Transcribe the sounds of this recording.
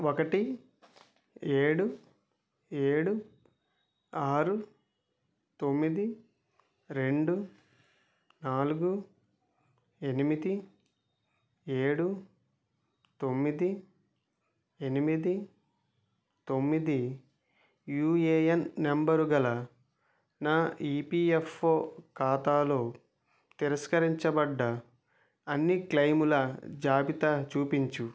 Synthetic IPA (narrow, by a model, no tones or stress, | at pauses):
okɐʈi | eːɽu | eːɽu | aːɾu | t̪o̞mːid̪i | ɾe̞ɳɖu | naːluɡu | enimid̪i | eːɽu | t̪o̞mːid̪i | e̞nimid̪i | t̪o̞mːid̪i | juːeːjɐnːembɐɾuɡɐlɐ | naːiːpiːefːoːkaːt̪aːlo̞ː | t̪iɾɐskɐɾiɲt͡ʃɐbɐɖːɐː | nːiklɐjmulɐd͡ʒaːbit̪ɐt͡ʃuːpiɲt͡ʃu